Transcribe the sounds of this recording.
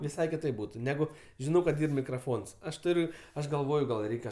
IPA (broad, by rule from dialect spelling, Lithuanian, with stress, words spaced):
ʋʲɪˈsɐɪ kʲɪˈtɐɪp ˈbuːtʊ ˈnʲæːɡʊ ʒʲɪˈnɐʊ kɐt ˈiːr mʲɪkrɐˈfoːns ˈɐʃ ˈtʊrʲʊ ˈɐʃ ɡɐlˠˈʋoːjʊ ɡɐlˠ ˈrʲɛɪkʲɛ